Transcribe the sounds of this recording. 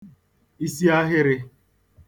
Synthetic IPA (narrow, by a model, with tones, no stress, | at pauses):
i˦si˦a˦ɦɪ˦ɾɪ˦˧